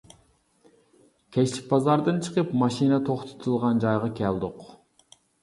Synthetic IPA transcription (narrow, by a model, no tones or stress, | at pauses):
kʲʰet͡ʃt͡ʃi̥k̚ʲbɑzɑɾd̪ɯnt͡ʃʰɨ̥qɯpmɑʃinɑt̪ʰoχt̪ʰo̥t̪ʰulˠʁɑnd͡ʒɑjʁɑkʲʰɛlˠd̪uq